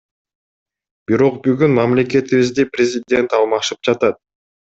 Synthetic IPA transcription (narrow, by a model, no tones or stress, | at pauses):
b̥iɾo̞q̚byɡynmɑmlʲe̞ke̞t̪iβizʲd̪iprʲɪzʲɪdʲe̞nt̪ɑlˠmɑʃɯp̚d͡ʒɑt̪ɑt̪̚